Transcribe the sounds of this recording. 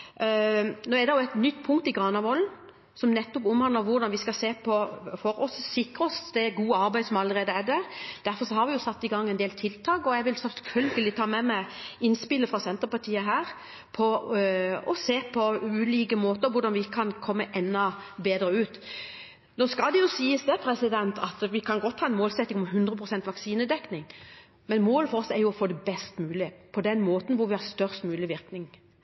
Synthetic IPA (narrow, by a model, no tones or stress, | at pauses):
noːɛd̪ɛjʊæt̪nʏt̪ːpʰʊŋkt̪ɪɡʁɑːnɑʋɔln̩ | sɔmnɛt̪ːɔpʊmhɑnləɾʋʊɾd̪ɑnʋɪskɑseːpʰɔfɔɾɔssɪkɾəɔsd̪ɛɡuːəɑɾbæɪd̪sɔmɑləʁeːd̪əæd̪əɾd̪̥æɾfɔɾʂɔhɑɾʋɪjʊsɑt̪ːɪɡɑŋːɛnd̪eːlt̪ʰɪlt̪ʰɑːkɔjæɡʋɪlsɛlfœlɡəlɪt̪ʰɑːmɛmæɪɪnspɪlːəfʁɑsɛnt̪əpɑt̪ʰiːəɦæːɾ | pʰɔ | ɔseːpʰɔʉːliːkəmoːt̪əʋʊɖɑnʋɪɪkːəkʰɑnkʰɔmːəʔɛnːɔbeːd̪ɾəʉːt̪ | noːskɑld̪ɛjʊsiːəsd̪ɛpʰɾɛsɪd̪ɛnt̪ʰɑt̪ʋɪkʰɑnɡɔt̪ːʰɑːɛnmoːlsɛt̪ːɪŋɔmɦʉnd̪ɾəpʰɾʊsɛnt̪ʋɑksiːnəd̪ɛknɪŋ | mɛnmoːləfɔɾɔsɛɾjʊɔfoːd̪ɛbɛst̪mʉːlɪpʰɔd̪ɛnmoːt̪n̩ʋʊɾʋɪhɑst̪œʁst̪mʉːlɪʋɪɾknɪŋ